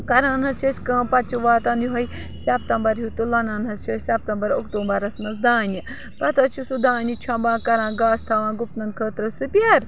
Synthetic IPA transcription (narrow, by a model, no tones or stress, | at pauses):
kɐɾãːnɦɐt͡ʃʰɐt͡ʃʲkɐ̃ːpɐt͡ʃʰuʋaːt̪ɐnjuɦɐj | sʲɐp̚t̪ɐmbɐɾjut̪ulɐnaːnɦɐt͡ʃʰɐsʲap̚t̪ɐmbɐɾokt̪oːmbɐɾɐsmɐsd̪aːnʲi | pɐt̪ɐt͡ʃʰusud̪ãːnʲit͡ʃʰɐmbãːkɐɾãːɡaːst̪ʰɐʋãːɡupnɐnkʰəːt̪ɾɐsupʲɐɾ